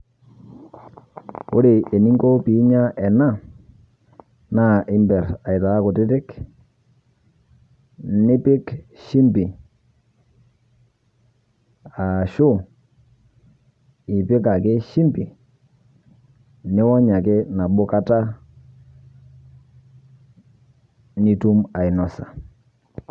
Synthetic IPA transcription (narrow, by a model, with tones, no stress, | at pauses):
ʊ̰˦ɾe˨ʔe˨ni˦ŋɡɔ˦pi˨˦ɲa˦ʔɛ˨na˦ | na˦˨ʔɪ˦mbɛ˨ɾa˨ɪ˨ta˨a˦kʊ˨tɪ˦tɪ˦k | nɪ˦pɪ˦kʃi˦mbi˨ | a˨ʃu˦ | i˨pi˦ka˨ke˦ʃi˦mbi˨ | ni˦wɔ˦ɲa˨ke˦na˨bʊ˦ka˦ta˦ | ni˦tu˦ma˨i˨nɔ˨sa˨